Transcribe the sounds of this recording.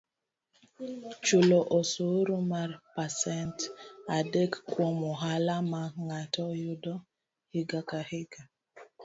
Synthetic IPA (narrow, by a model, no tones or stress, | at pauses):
t͡ʃulɔʔɔsoɾumarpasɛntadekkːwɔmɔɦalamaŋatɔjʊdɔ | hiɡakahɪɡ̥a